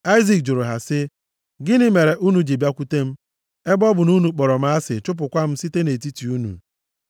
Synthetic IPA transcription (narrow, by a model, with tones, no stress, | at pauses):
a˦ɪ˦zi˨k̚d͡ʒʊ˨ɾʊ˨ɦa˨sɪ˦ | ɡɪ˦nɪ˦me˨ɾe˨ʔu˦nu˨d͡ʒi˨bja˦kʷu˦te˦m̩˦ | e˦bɔ˦bʊ˨nu˦nu˨k͡pɔ˨ɾɔ˨m̩˨˦a˦sɪ̰˨t͡ʃʊ˦p̬ʊ˨kʷa˦m̩˦si˦te˦ne˨t̬i˦ti˨u˦nṵ˨